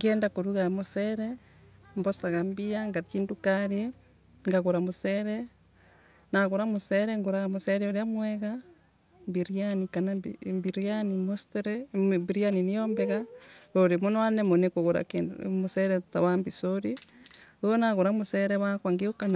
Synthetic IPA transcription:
ŋɡeːndakoɾuɣamuseɾe | mbosaɣambiaŋɡakiːndukaɾje | ŋɡaɣuɾamuseɾe | naɣuɾamuseɾeŋɡuɾamuseɾeoɾjamwɛɣa | mbiɾianikanambiɾanimosteɾebiɾianinijoːmbeɣaoɾimunoanemonekoɣuɾa̰kinmuseɾetaβambisoɾioonaɣuɾamuseɾeβakwaŋɡiokana

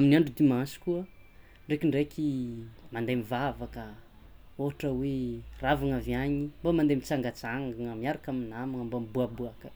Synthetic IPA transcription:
aminiaɳɖ͡ʐud̪imasi̥kuə | ɳɖ͡ʐekiɳɖ͡ʐekʲimand̪emivavakə | oaʈ͡ʂəweravaŋaviaɲimbamand̪emit͡saŋɡat͡saŋɡaŋəmiaɾakaminamaŋəmbambuabuakə̥

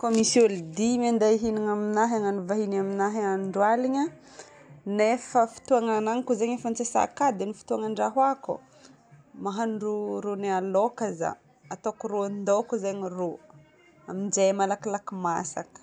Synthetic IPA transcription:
komisulid̪imand̪aɦiniŋaminaɦaŋaɳuvaɦinaminaɦeaɳɖ͡ʐwaliɲə | nefəfi̥t̪uaŋanaŋikuzeɲefant͡sesa̰kad̪enifi̥t̪uaŋaɳɖ͡ʐaɦakṵ | maɦaɳɖ͡ʐuɾunealokaza̰ | at̪okuɾond̪okuzeɲiro | amind͡ʒemalakilakima̰sa̰kə̥

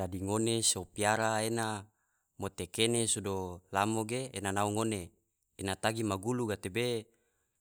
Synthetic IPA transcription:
adiŋonesopiaɾaena | mot̪ekenesudolamoɡḛːnanauŋoneː | nat̪aɡimaɡuluɡat̪ebe

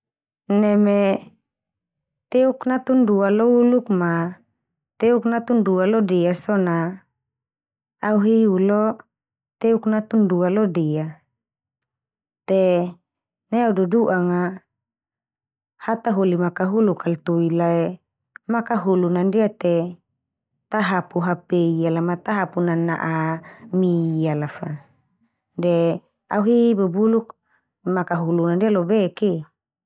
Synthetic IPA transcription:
nɛme | t̪ɛuknat̪undualoulukma | t̪euknat̪undualɔdeasɔna | uɦiulo | t̪euknat̪undualodea | t̪e | neaududuʔaŋa | hat̪aɦolimakaɦulukʰalt̪uilaɛ | makaɦulunandiat̪e | t̪aɦapuɦapeialamat̪aɦapunana̰ʔamiialafa | de | auɦibubuluk̚ | makaɦulunandialobeki

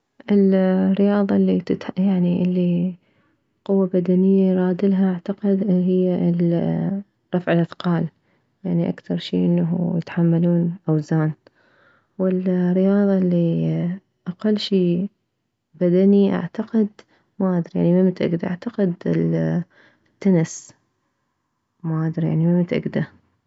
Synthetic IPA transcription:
ʔɪlɾɪjɑːðˤɑlːit̪t̪jaʕniʔɪlːi | qʊwːabad̪anɪjːaɾˤɑːd̪ɪlɦaʔaʕt̪aqɪd̪ɦɪjːal | ɾˤɑfʕɪlʔad̪qɑːl | jaʕniʔa̰kt̪ɑɾˤʃḭːʔɪnːaɦjɪt̪ħamːaluːnʔawzaːn | wɪlɾːɪjɑːðˤɑlːi | ʔaqalːʃiː | bad̪aniʔa̰ʕt̪aqɪd̪ | maʔad̪ɾja̰ʕnimɪmːɪt̪ʔa̰ɡd̪aʔa̰ʕt̪aqɪd̪ɪl | t̪ːanɪs | maːʔad̪ɾja̰ʕnimɪmːt̪ʔɪ̰ɡd̪a

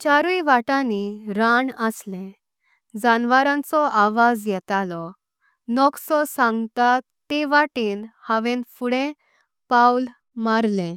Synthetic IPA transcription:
t͡ɕaɾuiʋaʈaniɾaɳəslẽ | d͡zanʋaɾãnt͡sɔʔaʋad͡zjɛt̪alɔ | nɔksɔsãŋɡt̪at̪ː | eʋaʈiːnhaʋẽnfuɽẽ | pawl | maɾlẽ

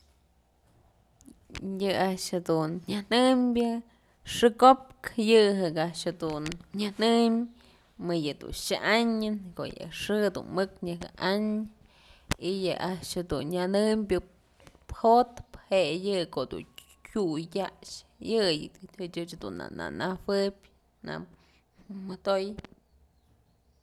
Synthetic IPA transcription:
jɨaʔʂhad̪unɲanɨmbʲjɨ | ʂɨkop̚kjɨɦɨkaʔʂhed̪unɲanɨm | mɨjɨd̪ṵnʃaʔaɲɨnko̰jɨ̰ʂɨd̪ṵnmɨkɲɨɦɨ̰ʔaɲ | ijɨʔaʔʂhad̪unɲanɨmbʲɨ | phot̪phejɨkod̪ṵn | kʲujt̪ʲaʔʂjɨjɨt͡ʃʲɨt͡ʃhad̪ṵnːa̰na̰nawɨbʲ | na̰ | mɨt̪oj

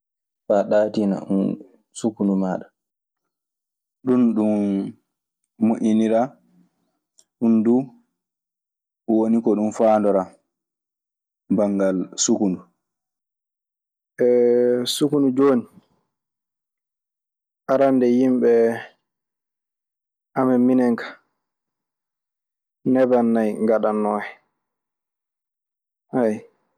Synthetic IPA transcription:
faɗatina̰ʔṵn | sukunumaːɗa | ɗunɗum | uʔiniɾa | ɗundu | wonikɔɗumfaːndɔɾa | baŋɡalsukunu | ɛsukunud͡ʒoːni | ʔaɾandɛjimɓɛ | ʔamɛmːinɛŋkḁ | nɛbanːajŋɡaɗanːɔːhɛ | haj

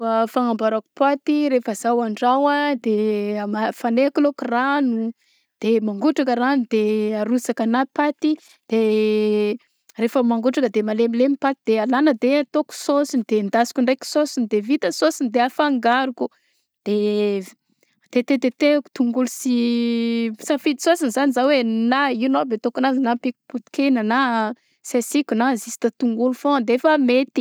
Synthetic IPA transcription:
əfaŋambaɾaku̥pat̪iɾefəzawaɳɖ͡ʐawad̪emafanekulokuranu | d̪̥emaŋɡuʈ͡ʂakəranud̪eaɾusakanapat̪i | d̪̥e | refəmaŋɡuʈ͡ʂakəd̪emalemilemipat̪id̪̥ealanəd̪et̪oku̥sosind̪̥end̪asi̥kʲuɳɖ͡ʐajki̥sosinid̪evit̪əsosinid̪eafaŋɡaɾuku | d̪̥e | t̪et̪et̪et̪eku̥t̪uŋɡulusi | safid̪isosinzanizawenainobet̪okanazinapiku̥put̪i̥kenana | sesikʲunazisi̥t̪at̪uŋɡulufõd̪eefəmet̪i̥

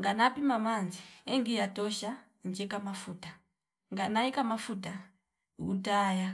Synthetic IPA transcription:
ŋɡanapimamanziɛŋɡijatɔʃa | ɲd͡ʒɛkamafuta | ŋɡanaikamafuta | utaja

